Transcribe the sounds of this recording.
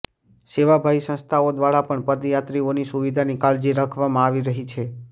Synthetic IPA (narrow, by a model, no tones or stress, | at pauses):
seʋabʱaisə̃nst̪ʰaod̪ʋaɽapəɳpəd̪jat̪ɾionisuʋid̪ʱanikald͡ʒiɾakʰʋamãaʋiɾəɦit͡ʃʰe